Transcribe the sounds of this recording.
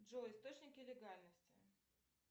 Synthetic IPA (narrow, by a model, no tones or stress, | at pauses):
ʐoɪst̪ot͡ɕnʲɪkʲɪlʲɪɡalʲnəsʲtʲɪ